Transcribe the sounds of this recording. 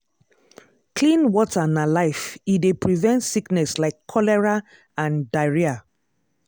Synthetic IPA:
klĩnwɔtʰanalaɪfidepɹivɛ̃ntsiknɛslaɪkʰːɔlɛɹa | ãndaɪɹia

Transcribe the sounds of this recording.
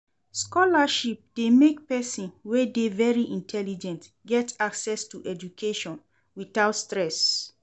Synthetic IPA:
skɔlaʃip̚d̥emek̚pɛsĩnwɛdevɛɹiʔĩntʰɛlid͡ʒɛ̃nt | ɡɛtʰaksɛstuʔɛd͡ʒukʰeʃɔ̃n | wiθaʊtstɹɛs

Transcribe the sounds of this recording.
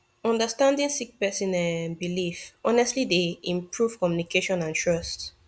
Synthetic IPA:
ɔ̃ndəstãndĩnsik̚pɛsĩnãnbilifɔnɛstlideĩmpʰɹuv̥kɔmjunikeʃɔ̃nãntʰɹɔst

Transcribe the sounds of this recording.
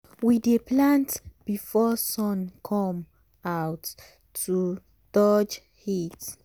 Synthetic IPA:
wideplãntb̥ifɔsɔ̃nkʰɔ̃m | awtʰː | u | d̥ɔd͡ʒ | hit

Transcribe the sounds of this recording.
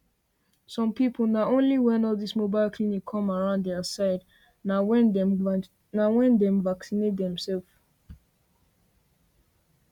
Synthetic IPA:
sɔ̃mpipʰl̩naõnliwɛ̃nɔldismobaɪlkʰlinikʰːɔ̃maɹãʊ̃nddɛəsaɪd | naɛ | nawɛ̃ndɛ̃mvaksinet̚dɛ̃msɛlf

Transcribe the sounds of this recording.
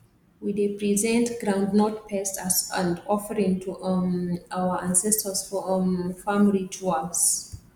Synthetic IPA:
widepɹizɛ̃ntɡɹãʊ̃ndnɔtpʰɛstasãndɔfəɹĩŋtʰuʔaʊəʔãnsɛstəsffamilid͡ʒuals

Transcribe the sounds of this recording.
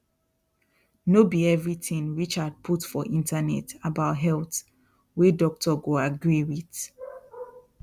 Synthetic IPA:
nobiɛvɹiθĩŋɹit͡ʃad̚pʰutfɔʔĩntʰanɛ̰tabaʊtɦɛlθ | wedɔk̚tʰɔɡoaɡɹiwiθ

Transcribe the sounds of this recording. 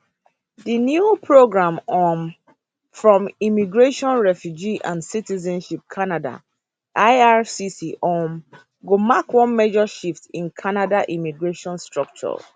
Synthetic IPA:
dinjupʰɹoɡɹãmɔ̃n | fɹɔ̃mimiɡɹeʃɔ̃nɹɛfjud͡ʒiʔã̰nsitizɛ̃nʃip̚kʰanada̰ | ʔaɪasisiʔɔ̃n | ɡomakwɔ̃nmɛd͡ʒɔʃiftĩnkʰanadaʔimiɡɹeʃɔ̃nstɹɔk̚t͡ʃɔ̰

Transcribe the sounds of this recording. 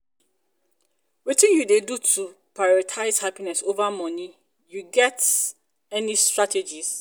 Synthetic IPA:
witĩnjudedutʰupʰɹaɪɔɾɔtʰaɪzhapinɛsovamɔ̃nĩ | juɡɛt | ɛnĩstɹatʰed͡ʒis

